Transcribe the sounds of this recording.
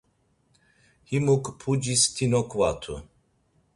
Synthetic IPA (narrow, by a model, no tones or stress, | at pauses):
himukpʰud͡ʑist̪ʰinɔkwat̪ʰṵ